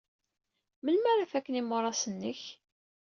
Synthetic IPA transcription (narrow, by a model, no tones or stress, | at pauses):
məlmæɾafækːənimʊɾˤɑsənːəç